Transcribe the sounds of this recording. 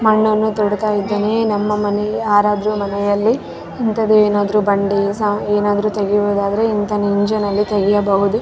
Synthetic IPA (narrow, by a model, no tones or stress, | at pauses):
mɐɳːuɐnːut̪ɔɽɐt̪aːjid̪ːeːnenɐmːɐmɐnejaːɾaːd̪ɐɾumɐnɛjɐlːi | int̪ɐd̪ueːnaːd̪ɐɾuːbɐɳɖesaeːnaːd̪ɐɾut̪ɐɡiʋoːd̪aːd̪ɐɾeint̪ɐniɲd͡ʒɐnɐlːit̪ɐɡijɐbɐɦud̪u